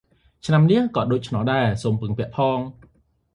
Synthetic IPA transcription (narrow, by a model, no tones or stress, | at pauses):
t͡ɕʰnamniəkɔ̆ət̪ɗoːc̚t͡ɕʰnɑlɗaɛsoːmpɨŋpɛ̆əʔpʰɑːŋ